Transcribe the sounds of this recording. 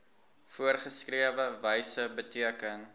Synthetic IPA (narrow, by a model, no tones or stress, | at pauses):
fuərχəskriəvəvəjsəbətiəkəŋ